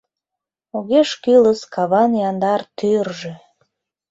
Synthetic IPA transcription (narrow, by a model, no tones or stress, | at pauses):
oɣeʃkyləskɑβɑnjɑnd̪ɑrt̪yrʒe